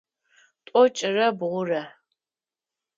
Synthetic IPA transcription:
tʷʼɔt͡ʃʼɪrɐbʁʷʊrɐ

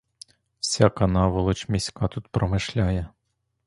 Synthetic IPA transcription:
w̥sʲakɐnɑʋɔlˠɔt͡ʃmʲisʲkɑt̪ut̪pɾɔmɪʃlʲajɛ

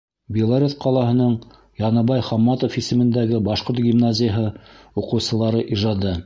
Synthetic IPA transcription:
bʲilˠaɾʲet̪qʰɑlˠɑɦɤ̆nɤɴ | jɑnɑβɑjχɑmːɑt̪ofisɘ̆mɘ̆nd̪æɡɘbɑʃqoɾt̪̚ɡʲimnazʲɪjəɦɤ | uqɤ̆wsɤ̆lˠɑɾɤʔiʒɑd̪ɤ

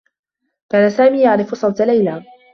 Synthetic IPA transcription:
kaːnasaːmiːjaʕɾɪfʊsˤɑwt̪alajlaː

